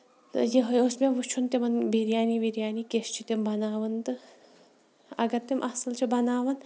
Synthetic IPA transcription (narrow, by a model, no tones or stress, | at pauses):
t̪ɨjeɦojosmʲemʋut͡ʃʰunt̪emɐnbiɾjaːniʋiɾjaːnikest͡ʃʰit̪embɐnaːʋɐnt̪ɨ | ɐ̰ɡɐɾt̪emʔɐsɨlt͡ʃʰibɐnaːʋɐn